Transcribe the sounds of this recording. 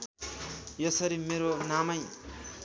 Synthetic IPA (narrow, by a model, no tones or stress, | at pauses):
jʌsʌɾimeɾonamʌj